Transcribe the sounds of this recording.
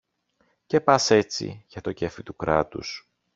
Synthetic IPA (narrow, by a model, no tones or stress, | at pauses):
ce̞pɐse̞t͡sḭʝɐt̪o̞cefit̪ukɾɐ̰t̪ṵs